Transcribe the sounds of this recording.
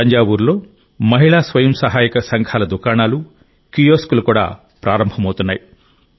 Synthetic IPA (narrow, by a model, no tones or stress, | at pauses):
ɐɲd͡ʒaːbuːɾlo̞ː | mɐɦiɭaːsʋɐjɐmsɐɦaːjikɐsɐŋɡʰʱaːlɐd̪ukaːɳaːlu | kijoːskulukuːɽa̰ː | pɾaːɾɐmbʱɐmɐwt̪unːaːji